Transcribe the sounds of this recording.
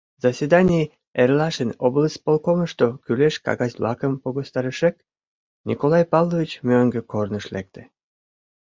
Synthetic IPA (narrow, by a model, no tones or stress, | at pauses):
zɑsʲvʲed̪ɑnʲij | erlɑʃənobləsʲpolˠkoməʃt̪okyleʃkɑ̰ɣɑsʲblʔɑ̰kəmpoɣost̪ɑɾəʃek̚ | nʲḭkolɑjpɑlːovʲit͡ɕmøŋɡə̆kornəʃlek̚t̪e̥